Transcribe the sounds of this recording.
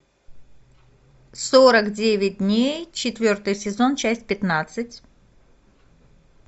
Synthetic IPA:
soɾəkdʲevʲɪt̚ʲdʲnʲejt͡ɕɪt̪vʲo̞rt̪ɨjsʲɪzo̞nt͡ɕæsʲtʲpʲɪt̪nat̪sɨtʲ

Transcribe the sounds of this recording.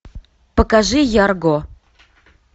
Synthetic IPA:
pəkaʐɨjarɡo

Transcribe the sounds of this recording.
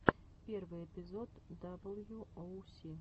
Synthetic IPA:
pʲɛrvɨɛpʲizɔd̪ːabɨlˠjuowsʲi

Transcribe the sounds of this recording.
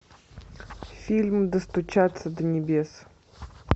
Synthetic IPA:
fʲilʲmd̪əst̪ʊt͡ʃat̪sːəd̪ənʲɪbʲes

